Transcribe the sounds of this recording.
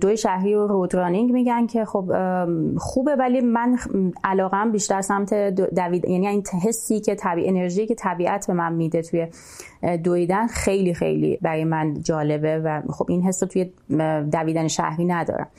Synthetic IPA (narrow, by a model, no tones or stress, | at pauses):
d̪ojiʃæhɾiːoɾod̪ɾɒːniŋmiːɟæncʰe̞xob | xuːbevælimænʔælɒːɣeæmbiːʃt̪æɾsæmt̪ʰed̪d̪æviːd̪jæːniinʰɦe̞sːiːcʰe̞t̪ʰæbiːʔene̞ɾʒiːiːcʰet̪ʰæbiːʔæt̪ʰbe̞mænmid̪et̪ʰuje | d̪ojid̪ænxe̞jliːxḛjlḭbæɾɒːjemænd͡ʒɒːle̞bevæxo̞binɦe̞sːot̪ʰuje | d̪æviːd̪æneʃæ̰hɾiːnæd̪ɒ̰ːɾæ̰m